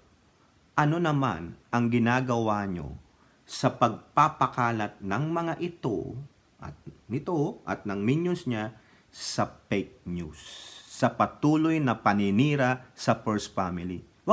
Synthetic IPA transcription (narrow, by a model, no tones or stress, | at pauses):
ʔɐno̞nɐma̰nʔɐŋɡɪnaːɡɐwaɲo̰ | sɐpɐɡ̚papɐkaːlɐt̪̚nɐŋmɐŋaʔɪt̪o̞̰ | ʔɐ̰t̪̚nɪt̪oʔɐ̰t̪̚nɐŋmiɲjʊnsɲa | sɐpejk̚ɲusːɐpɐt̪uːlojnɐpɐnɪniːɾɐsɐpɛɹsfamɪli | wɐ